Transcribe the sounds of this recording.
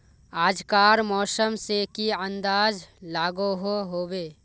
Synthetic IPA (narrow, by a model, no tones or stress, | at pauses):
aːd͡ʒkaːɾmɔːsəmsekiə̃nd̪aːd͡ʒlaːɡoɦoɦoːbeː